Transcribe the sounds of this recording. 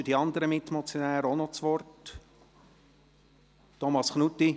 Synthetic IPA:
ydiɑnd̪əɾəmɪt̪mɔt͡sjɔnæːɾəonɔt͡sʋɔrt | ɔmɑsχnut̪ːi

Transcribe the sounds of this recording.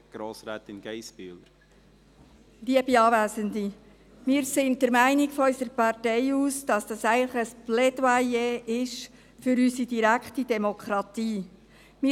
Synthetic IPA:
ɡ̥ɾoːsɾæːt̪ɪnɡ̥ɛɪspyːləɾ | liəbiɑːvæːzəndi | mɪːɾsɪndɛɾmæɪnikfɔœʏsəɾpɑɾtɛɪuːsd̥ɑsd̥ɑsæɪɡənləχəsplɛdwajeʔɪʃ | fʏɾysidiɾækχtid̥ɛmokʰχɾɑt̪iː | mɪ

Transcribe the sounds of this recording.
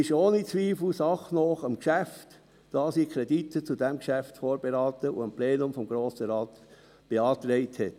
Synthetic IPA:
ɪʃoːnit͡sʋiːfl̩sɑχnɔχəmkʃæft | d̥ɑːsiːkʰɾeditʰət͡sudɛmkʃæftfoːɾbeɾɑːtəṵəmplɛːnʊmfɔmɡɾoːsəɾɑːt̪ | b̥eɑːt̪ɾɛɪthɛt

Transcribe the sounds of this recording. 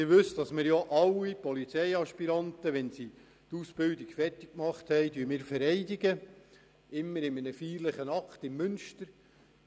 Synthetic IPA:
ɪʋɵsd̥ɑsmɪːɾjoʔɑwipɔlit͡sɛjɑʃpiɾɑntəʋɛnsi | t̪uːsb̥ɪldɪkfɛrtɪk̚kmɑχthɛɪdyːəmɪːɾfɛɾɛɪdɪɡə | ɪmːəɾɪmənəfiːɾləχənɑktɪmːʏnʃtəɾ

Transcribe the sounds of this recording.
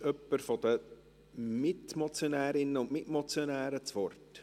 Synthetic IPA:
œpːəɾfɔd̪̥ə | mɪtmɔt͡sjonæːɾɪnːəʊnʔmɪtmɔt͡sjɔnæːɾət͡sʋɔrt

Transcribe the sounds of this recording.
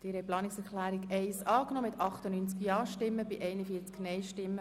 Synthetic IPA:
d̥iːɾhɛplɑːnɪksɛɾklæːɾikɛɪsɑːknɔːmɪtɑχtənynt͡skjɑːʃtɪmːəbɪʔɛɪnəfiəɾt͡sknɛɪʃtɪmːə

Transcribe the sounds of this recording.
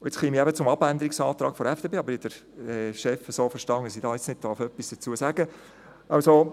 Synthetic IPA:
ʊɪt͡sχimiæbət͡sʊmɑbænd̪əɾiksɑːt̪ɾɑːɡ̥fɔɾɛfd̥eːpeːɑbəɾɪd̥əɾ | ɛːʃɛfəsoːfəʃtɑŋəsid̥ɑːjɪt͡snɪd̚d̥ɑɾfœpːisd̥ət͡suəsæɡ̥ə | ʔɑwso

